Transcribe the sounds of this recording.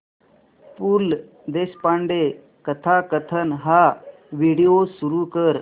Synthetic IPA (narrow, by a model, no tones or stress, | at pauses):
pul | d̪eɕpaɳɖe | kət̪ʰakət̪ʰənɦa | ʋiɽijosuɾukəɾ